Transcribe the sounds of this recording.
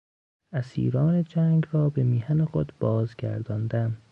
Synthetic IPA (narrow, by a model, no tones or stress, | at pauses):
æsḭːɾɒːne̞d͡ʒæːŋɡrɒːbe̞miːhænexod̪b̥ɒːzɡæ̰ɾd̪ɒːnd̪æm